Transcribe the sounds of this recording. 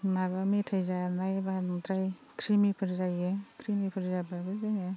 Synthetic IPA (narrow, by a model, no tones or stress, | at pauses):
maβametʰajzanajbandɾaj | kʰɾimipʰɯɾzajekʰɾimipʰɯɾzababɯɾzajne